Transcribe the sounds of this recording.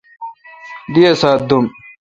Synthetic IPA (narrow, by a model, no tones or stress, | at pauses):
d̪ijɐsaːd̪um